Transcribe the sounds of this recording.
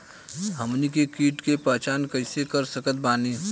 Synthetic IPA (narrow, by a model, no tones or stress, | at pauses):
ɦəmnikekiːʈkepət͡ʃaːnkəɪsekəɾsəkət̪̚baːniː